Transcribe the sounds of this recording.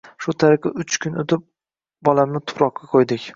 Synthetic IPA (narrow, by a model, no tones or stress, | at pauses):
ʃʊt̪ʰaɾɪqɪʊt͡ʃkʰʲʊnot̪ʰɪp̚ | bɒlamnɪt̪ʰʊ̥pɾɒqːɑqʰojd̪ɪkʲ